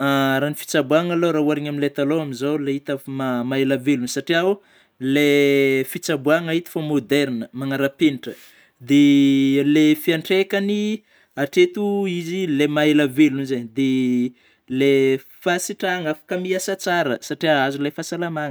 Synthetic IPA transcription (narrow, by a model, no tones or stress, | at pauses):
aɾanifi̥t͡sabuaŋalowɾauaɾiɲamnilet̪aloaminzowleɦit̪əmamaelavelunsaʈ͡ʂiau | lefit͡sabuaŋaɦit̪i̥famod̪eɾnəmaŋaɾapeniʈ͡ʂə | d̪elefiaɳʈ͡ʂekani | aʈ͡ʂet̪uizilemaelaveluunzeɲd̪e | le | fasiʈ͡ʂaŋafḁkəmiasat͡saɾəsaʈ͡ʂiaazulefasalamaŋə